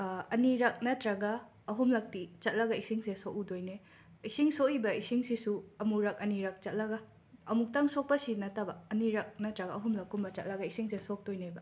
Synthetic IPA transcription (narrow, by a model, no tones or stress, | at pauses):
ɐniɾɐk̚nɐtɾɐɡɐː | ɦumlɐk̚tit͡ʃɐt̚lɐɡɐisiŋsesoʔudojne | isiŋsoibɐisiŋsisuɐmuɾɐk̚ɐniɾɐk̚t͡ʃɐt̚lɐɡɐ | ɐmuk̚taŋsok̚pɐsinɐtabɐɐniɾɐk̚nɐtɾɐɡaɐɦumlɐkːumbɐt͡ʃɐ̰t̚lɐɡɐisiŋsesok̚d̥ojnebɐ